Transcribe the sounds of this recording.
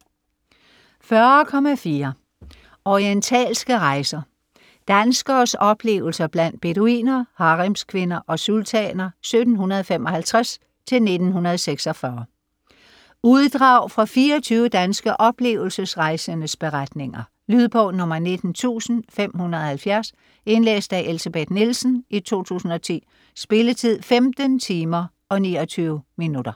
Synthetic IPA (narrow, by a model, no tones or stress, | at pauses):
fɶɐkʰɒ̽mæfiːɐ | ɒʁient͡sʰɛ̰ːlsɡ̥əʁɑ̈ɪsɐ | d̥ænsɡ̥ɐːsɒ̽b̥le̝̰ːʊl̩sɐb̥læn̰d̥̚b̥e̝doḭːnɐhɑ̈ʁimskʰʋe̝nɐʔɒ̽sult͡sʰɛ̰nɐsød̥n̩hunɐðˠfemɒ̽hælt͡sʰʁas | t͡sʰe̝lne̝d̥n̩hunɐð̞ˠseɡ̥sɒfɶɐ | uð̞ˠd̥ʁɑ̈ʊfʁɑ̈fiːɒt͡sʰyːʊəd̥ænsɡ̥əʔɒ̽b̥le̝̰ːʊl̩səsʁɑ̈ɪsənəsb̥e̝ʁad̥ne̝ŋɐ | lyð̞ˠpʰɒ̽nɔ̽mɐne̝d̥n̩t͡sʰṵːsn̩fem̰hunɐðˠhælfjæɐs | e̝nlḛːsd̥æʔelseb̥ed̥nilsn̩ʔit͡sʰo̝̰ːt͡sʰṵːsn̩ɒ̽t͡sʰḭː | sb̥e̝lət͡sʰið̞̰ˠfemd̥ənt͡sʰiːmɐ | ʔɒ̽niːɒt͡sʰyːʊəminud̥ɐ